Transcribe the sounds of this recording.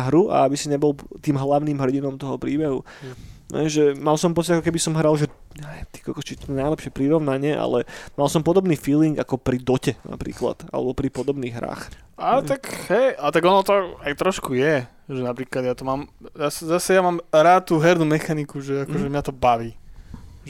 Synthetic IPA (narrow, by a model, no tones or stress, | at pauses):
ɦɾuʔa̰abisiɲɛbɔlˠt̪iːmɦlaʊniːmɦr̩ɟinɔmt̪ɔɦɔpɾiːbɛɦṵ | ɛ̰ʒɛmalsɔmpɔt͡siɟakɔkɛbisɔmɦɾalʒɛ | ɲɛʋjɛmt̪i̥kɔkɔt͡ʃit̪ɔɛnaɪlɛpʃɪɛpɾiɾɔʋnaɲɪɛʔa̰lɛmalsɔmpɔd̪ɔbniːfiːliŋɡakɔpɾid̪ɔcɛna̰pɾḭːkla̰t̪a̰lɛ̰bɔpɾipɔd̪ɔbniːɣɦɾa̰ːx | ʔat̪akhɛjat̪aɡɔnɔt̪ɔajt̪ɾɔʃkujɛ | ʒɛnapɾiːklad̪jat̪ɔmaːmzasɛzasɛjamaːmɾat̪̚t̪ːuːɦɛɾnuːmɛxanikuʒɛakɔʒɛmjat̪ɔbaʋiː | ʒ